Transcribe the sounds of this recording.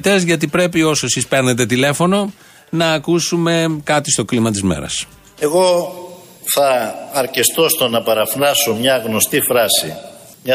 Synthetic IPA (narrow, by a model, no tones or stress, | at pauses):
t̪e̞zʝɐt̪̬ipɾe̞pio̞soesispe̞ɾne̞t̪e̞t̪ile̞fo̞no̞ | nɐːkusume̞kɐt̪ist̪o̞klimɐt̪̬izmḛɾɐ̰s | e̞ɣo̞ | θɐːɾcest̪ost̪o̞nɐpɐɾɐfɾɐsomɲɐɣno̞st̪ifɾɐsi | mɲɐ